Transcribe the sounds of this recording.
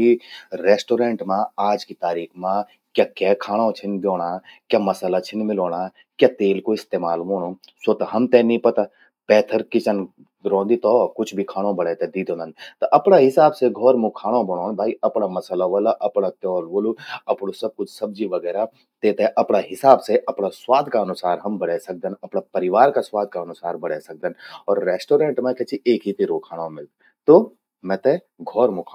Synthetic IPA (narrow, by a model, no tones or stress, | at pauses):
iɾeːsʈoːɾẽːɳʈmãaːd͡ʒkit̪aːɾiːkʰmã | kjakaːkʰaːɽ̃õt͡ʃʰɪnb̪joːɽ̃aːkjamɐsəlat͡ʃʰɪnmɪloːɽ̃a | kjaːt̪eːlkoɪst̪eːmaːlmoːɽ̃oːsot̪ɐɦɐmt̪ɛnĩpɐt̪a | pɛːt̪ʰəɾkɪt͡ʃən | ɾɔ̃ːnd̪it̪ɔkʊt͡ʃʰbʱikʰaːɽ̃õbɐɽɛːt̪ɛd̪iːd̪oːnənt̪ɐʔɐpɽaɦɪsaːbseɡʱɔːɾmũkʰaːɽ̃õbɐɽ̃oːnbʱaːiɐpnamɐsəlaʋɐːlaʔɐpɽat̪jɔɔːɾboːluɐpɽosɐb̚kʊt͡ʃʰsɐb̚d͡ʒiʋɐɡɛːɾa | t̪eːt̪eʔɐpɽaɦɪsaːbseʔɐpɽaswaːd̪ʱkaɐnʊsaːɾɦɐmbɐɽɛsɐk̚d̪ənɐpɽapɐɾɪʋaːɾkaswaːd̪̚ʱkaɐnʊsaːɾbɐɽɛsɐk̚d̪ənɔːɾːeːsʈoːɾẽːɳʈmẽkɛːt͡ʃʰiʔeːkɦit̪iɾoːkʰaːɽ̃õmɪl | t̪o | mɛ̃t̪e | ɡʱɔːɾmũkʰa